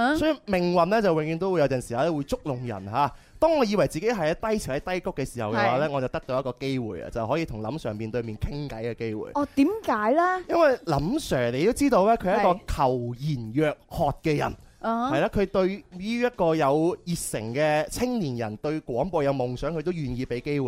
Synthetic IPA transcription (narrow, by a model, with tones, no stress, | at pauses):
sɔː˨˥i˧mɪ˨˩ŋwɐ˨nlɛ˥t͡sɐ˨wɪ˨ŋjyː˨˧˥ŋt̪o˥wːjɐ˨˥wt͡sɐ˨nsi˨haː˨˥wɛ˥wuː˨˧jt͡sʊ˥k̚lʊ˨˩ŋjɐ̰˨˩nɦaː˨˧˦ | t̪ɔː˥ŋɔː˨˧jiː˧wɐ˨˩jt͡siː˨ke˨˥jɦɐ˨jɐ˨˥t̪ɐ˥jt͡sʰɪ˨˩ŋhɐ˨˥jt̪ɐ˥jkʊ˥kːɛ˧si̥ː˨˩hɐ˨wkɛ˧wwaː˨˧˦lɛː˥ŋɔː˨˧t͡sɐ˨˩wt̪ɐ˥k̚t̪o˧jɐ˥kɔː˧ke˥jwṵː˨jɐ̰˨t͡sɐ˨˩whɦɔː˨˥jiː˧t̪ʰʊ˨˩ŋlɐ̰˨˥msœː˨˩ŋpiː˨nt̪ɵ˧ɥmiː˨nkʰɪ˥ŋkɐ̰˨˥jkɛ˧ke˥jwṵː˨˩jɔ˧t̪iː˨˥mkaː˨˥jlaː˥jɐ˥nwɐ˨jlɐ˨˥msœː˨˩ŋle˨˧ɪt̪o˥wt͡siː˥t̪o˧wlɛː˥kʰːjɐ˥kɔː˧kʰɐ˨˩wjiː˨˩njœː˨˧k̚hɔː˨˧t̚kɛː˧jɐ̰˨˩n | hɐ˨˧jlaː˧˥kʰɵ˨˧t̪ɵ˧ɥyː˥jɐ˥t̚kɔː˧jɐ˨˧wjiː˨t̚sɪ˨˩ŋkɛː˧t͡sʰɪ˥ŋliː˨˩njɐ˨˩nt̪ɵ˧ɥkwɔː˨˥ŋpɔː˧jɐ˨˧wmʊ˨ŋsœː˨˥ŋkʰt̪o˥wjyː˨njiː˧pe˨˥jke˥jwː